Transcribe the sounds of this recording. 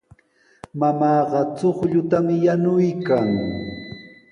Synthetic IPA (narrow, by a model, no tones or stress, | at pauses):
mamɑːɢɑt͡soχʎʊt̪amɪjanʊjkaŋ